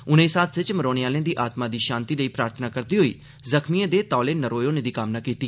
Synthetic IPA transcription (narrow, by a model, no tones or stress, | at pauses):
ʊnẽːsaːt̪ʰʋɪt͡ʃməɾoːɽ̃eaːljãːd̪iːʔaːt̪mãːd̪iːʃãːnt̪iːləiːpɾaːɾt̪ʰənaːkəɾd̪iːɦoiː | zəkʰmiãd̪eːt̪ɔːleːnəɾoːjoːnẽːd̪iːkamnaːkiːt̪iː